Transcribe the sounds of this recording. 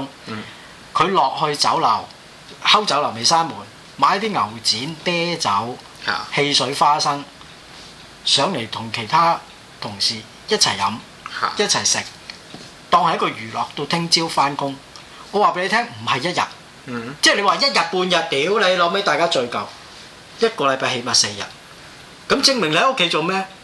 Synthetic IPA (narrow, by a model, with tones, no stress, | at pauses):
ŋ | kʰɵ˨˧ɥlɔː˨k̚hɵ˧ɥt͡sɐ˨˥wlɐ˨˩w | hɐ˥wt͡sɐ˨˥wlɐ˨˩wme˨jsaː˥nmuː˨˩n | maː˨˧˥jɐ˥t̪ʰiː˥ŋɐ˨˩wt͡siː˨˥nt̪ɛː˥t͡sɐ˨˥w | he˧jsɵ˨˥ɥfaː˥sɐ˥ŋ | sœː˨˥ŋle˨˩jt̪ʰʊ˨˩ŋkʰe˨˩jt̪ʰaː˥ | t̪ʰʊ˨˩ŋsiː˨˩ | jɐ˥t̚t͡sʰɐ̰˨˩jːɐ˨˥m | jɐ˥t̚t͡sʰɐ˨˩jsɪ˨˩k̚ | t̪ɔː˧ŋhɐ˨jɐ˥kɔː˧jyː˨˩lɔː˨k̚t̪o˧wt̪ʰɪ˥ŋt͡siː˥wfaː˥nkʊ˥ŋ | ɔː˨˧waː˨pe˧˥le˧tʰɛː˥ŋm̩˨˩hɐ˨jɐ˥t̚jɐ̰˨t̚ | t͡sɛː˥˩le˨˧jwaː˨jɐ˥t̚jɐ˨t̚puː˧njɐ˨t̚t̪iː˨˥wle˨˧jlɔ˨˧me˨˥jt̪aː˨jkaː˥t͡ʃɵ˧ɥkɐ˨w | jɐ˥t̚kɔː˧lɐ˨˧jpaː˧he˨˧mɐ˨t̚se˧jjɐ̰˨t̚ | kɐ˨˥mt͡sɪ˧ŋmɪ˨ŋlo˥kʰe˨˥jt͡ʃo˨wmɛː˥